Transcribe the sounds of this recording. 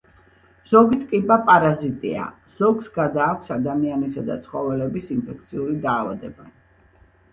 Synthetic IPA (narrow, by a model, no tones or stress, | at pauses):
z̥ɔɡit̪ʰʼkʼipʼapʼaɾazit̪ʼḭa̰ | z̥ɔɡsɡad̪aːkʷʰsad̪amianisad̪a̰t̪sʰχɔvɛlɛbisimpʰɛk̚ʰt̪sʰiuɾid̪aːva̰d̪ɛba